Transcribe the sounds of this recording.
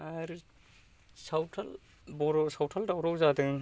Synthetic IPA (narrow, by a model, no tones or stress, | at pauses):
aɾ | sawtʰɐl | bɔɾɔsawtʰaldawɾawzadɯŋ